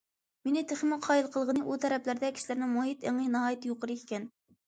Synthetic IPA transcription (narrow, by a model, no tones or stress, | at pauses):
menɪt̪ʰeχmɪqʰɑːjilˠqʰəlˠʁənɨʔut̪ʰɛɾɛplæɾd̪ɛkʲi̥ʃilɪɾnɪmuɦit̪eŋɨnɑɦɑːjt̪joqəɾɨikʲɛn